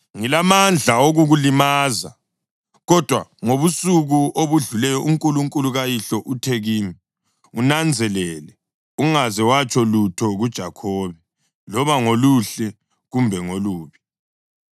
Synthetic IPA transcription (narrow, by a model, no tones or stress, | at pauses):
ŋilamand͡ɮʱaoɣuɣulimaːza̰ | ɣɔd̥ʱwaŋoβusuɣuʔoβuɮulɛjɔʔuŋkʼuluŋkʼuluɣajiɬɔʔutʰeɣiːmi | unand͡zʱɛlɛlɛ | uŋazɛwat͡ʃʰʼɔlutʰɔɣud̥ʒ̥ʱakʰɔːβɛ | lɔβaŋoluɬɛ | ɣumbʱɛŋoluːβi